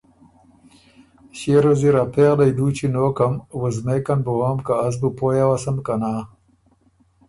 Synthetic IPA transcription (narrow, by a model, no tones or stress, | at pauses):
ɕeɾoziɾapeɣlajd̪uːt͡ɕʰinoːkɐmwəzmekanbowaːmkaːz̬bupojawasɐmkanaː